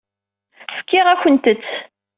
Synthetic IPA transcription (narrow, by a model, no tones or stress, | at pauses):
fə̥kːɪʁæçənt̪ət͡sː